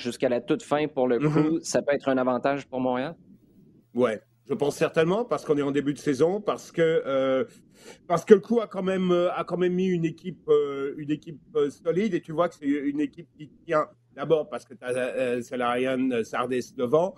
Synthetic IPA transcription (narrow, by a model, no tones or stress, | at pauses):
ʒyskalat̪ut̪fɛ̃puʁləkʰusapøɛt̪χɛ̃navɑ̃t̪aʒpuʁmɔ̃ʁeal | wɛ | ʒəpɑ̃sːɛʁt̪ɛnmɑ̃paʁsə̥kɔ̃nɛɑ̃d̪ebyd̪əsezɔ̃paʁsə̥kəː | paʁsə̥kələkuakɑ̃mɛmøakɑ̃mɛmːiynekʲip̚øynekʲip̚øsɔlid̪et̪yvwakə̥sɛynekʲip̚kʲit̪ət̪jɛ̃ | d̪abɔːʁpaʁsə̥kət̪aːsalaʁjanøsaʁd̪ɛsd̪əvɑ̃